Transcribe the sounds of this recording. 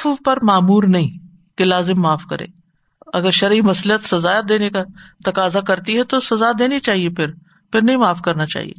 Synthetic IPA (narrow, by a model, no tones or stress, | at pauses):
pɐɾmaːmuːɾnɐɦĩ | kelaːzɪmːaːfkɐɾḛ̃ː | ɐɡəɾʃɐɾimɐslət̪sɐzaːjd̪eːnekat̪ɐkaːzakɐɾt̪iɦɛt̪osɐzad̪eːnit͡ʃaːɦiepʰɪɾ | pʰɪɾnɐɦĩmaːfkɐɾnat͡ʃa̰ːɦḭḛː